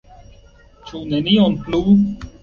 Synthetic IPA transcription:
t͡ʃʰuːnenionpluː

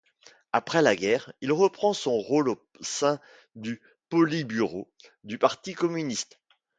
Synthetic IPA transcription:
apχɛlaɡʲɛʁilʁəpχɑ̃sɔ̃ʁolo | sɛ̃ | d̪y | pɔlibyʁo | d̪ypaʁt̪ikɔmynist̪

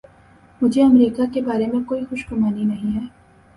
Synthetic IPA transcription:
mʊd͡ʒʱeɐmɾiːkakebaːɾemẽkoːixʊʃkʊmaːninɐɦĩɦɛː

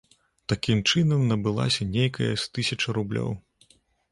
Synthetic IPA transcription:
t̪akʲimt͡ʂɨnɐmnɐbɨlˠa̰sʲɐnʲejkɐjɐ̰st̪ɨsʲɐt͡ʂɐɾublʲɔ̰w

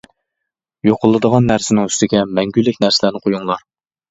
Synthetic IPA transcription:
joqʰʊlˠːɨd̪əʁɑnːæɾsɪnɪŋyst̪ɪɡʲɛmɛŋɡʲylːɪkʲnæɾsɪlæɾnɪqʰojuŋlˠɑɾ

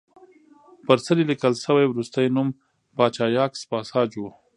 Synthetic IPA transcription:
pəɾsəɾilikəlsəwajwɾust̪ajnum | pɑːt͡ʃɑːjɑːkspɑːsɑːd͡ʒu

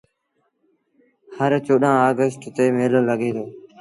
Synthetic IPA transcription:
həɾt͡ʃoːɗãːaːɡəsʈt̪eːmeːlələɠeːd̪oː

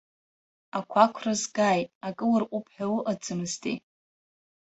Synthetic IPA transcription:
akʷʰakʷʰrɨzɡajtʼakʼɨlarqʷʼupʰħᶣawɨʔad͡zɨmɨztʼḛ

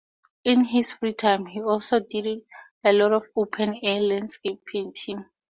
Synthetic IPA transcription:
ĩnɦisfɹitʰãjmhiɔlsodidd | ɛlɔtɔfopʰɛ̃nɛlãndskep̚pʰẽntʰĩŋ

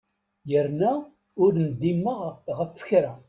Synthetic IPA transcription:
jəɾnæ | ʊɾnəd̪ːimːəʁʁəfːə̥çɾæ

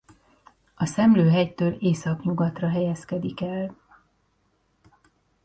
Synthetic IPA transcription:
ɒsɛmløːɦɛjt̪øːleːsɒkɲuɡɒt̪rɒɦɛjɛskɛd̪ikɛl

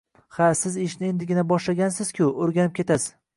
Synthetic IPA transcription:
hasɪzɪʃnɪe̞nd̪ɪɡʲɪnabɒʃlaɡʲansɪz̥kʲʰʊoɾɡʲanɪp̚kʲʰe̞t̪ʰasɪ̥z

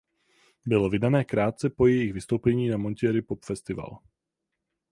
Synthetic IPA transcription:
bɪlo̞vɪdanɛːkɾaːt̪̚t͡sɛpo̞jɛjɪxvɪst̪owpɛɲiːnamo̞ncɪɛɾɪpopfɛst̪ɪva̰l

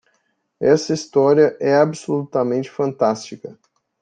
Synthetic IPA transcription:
ɛsɐist̪ɔɾiɐʔɛabɪsolut̪ɐmẽnt͡ʃɪ̥fɐ̃nt̪ast͡ʃikɐ

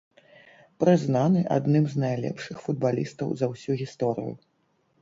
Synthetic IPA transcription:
pɾɨznanɨʔa̰d̪nɨmznajlʲɛ̰pʂɨxfud̪balʲist̪ɐwzɐwsʲuɣʲist̪ɔɾɨ̰jṵ

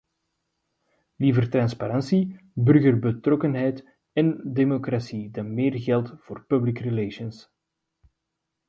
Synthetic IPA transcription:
livərtrɑnspaɾɑnsi | bɵrɣərbətrɔkənɦɛjt | ɛndemokrasidɑnmeːrɣɛlˠtv̥oːrpɵblikrəleːʃəns

